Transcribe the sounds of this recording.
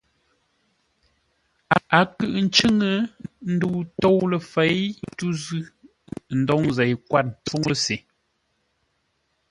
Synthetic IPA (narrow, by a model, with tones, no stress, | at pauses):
a˨a˨kɨ˦˨ʔn̩˦t͡ʃɨ˦ŋə˨˦n̩˦du˦˨tɔ˦wlə˨fɛ˨˦jtu˦zʉ˦ | n̩˦dɔ˨˦ŋzɛ˨jkwa˦t̚n̩˨p͡fo˦ŋə˦se˨